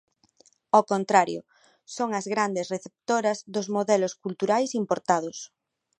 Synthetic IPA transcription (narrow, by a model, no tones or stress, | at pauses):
okont̪ɾaɾjʊ̰ | soŋɐzɣɾand̪esreθep̚t̪oɾɐzðozmoðɛloskult̪uɾajsimpoɾt̪að̞ʊs